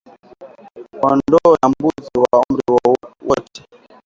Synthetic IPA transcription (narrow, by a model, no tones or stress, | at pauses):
ɔndɔjambuziwaum̩ɾiwɔtɛ̥